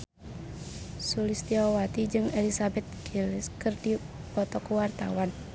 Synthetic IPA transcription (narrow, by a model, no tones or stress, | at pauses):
sulist̪iɔwat̪id͡ʒɨŋelisabɛt̪̚kiliskɨrdipɔt̪ɔkuwart̪a̰wan